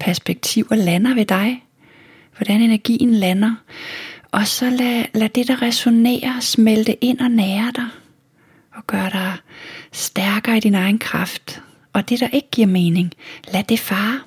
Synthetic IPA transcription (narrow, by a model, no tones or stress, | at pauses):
pʰæɐsb̥eɡ̥̚t͡sʰiʊ̰ɐlænɐʋe̝d̥ɑ̈ɪ | ʋɒɾ̥æne̝næɐɡ̥ḭːn̩lænɐ | ʔɒ̽sɒ̽lælæd̥e̝d̥ɑ̈ʁɛso̝ne̝̰ːɐsmeld̥eʔe̝n̰ɒ̽nɛːɐd̥ɑɪ | ɒ̽ɡ̥ɶːɐɾ̥ɑ̈ɪsd̥æɐɡ̥ɐːid̥inɑ̈ɪn̩kʰʁɑ̈fd̥ | ʔɒ̽d̥e̝ɾ̥ɑ̈ʔe̝ɡ̥əɡ̥iɐ̰meːne̝ŋlæd̥e̝fɑː